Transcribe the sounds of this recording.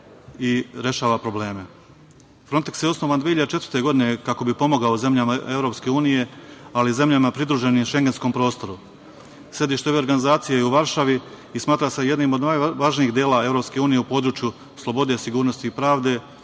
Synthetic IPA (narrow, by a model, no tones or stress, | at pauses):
iɾe̞ʃaːʋapɾo̞ble̞ːme̞ | fɾo̞nt̪eksjeosno̞ʋand̪ʋeiʎad̪et͡ʃe̞t̪vəɾt̪e̞ɡo̞d̪ine̞kako̞bipo̞mo̞ɡaoze̞mʎamae̞vɾo̞pske̞uːnije̞alize̞mʎamapɾid̪ɾuʒe̞niːmʃe̞ŋɡe̞nsko̞mpɾo̞ːst̪o̞ɾu | se̞d̪iːʃt̪eoʋe̞o̞ɾɡanizaːt̪sijejeuʋaɾʃaʋiː | smaːt̪ɾase̞je̞d̪niːmod̪naːjʋaʒniiːxd̪jeːlae̞vɾo̞pskeuːnije̞upo̞ːd̪ɾuːt͡ʃju | slˠo̞bo̞d̪e̞siɡuːɾno̞st̪iːpɾaːʋd̪e̞